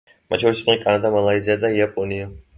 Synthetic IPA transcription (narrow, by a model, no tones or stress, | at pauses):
mat̪t͡ʃʰɔɾisqʼnikʼanad̪amalˠaiziad̪aiapʼɔnia